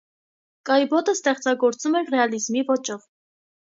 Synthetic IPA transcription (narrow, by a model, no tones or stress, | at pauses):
kɑjbɔt̪əst̪ɛχt͡sɑɡɔɾt͡sumɛrɛɑlizmivɔt͡ʃɔv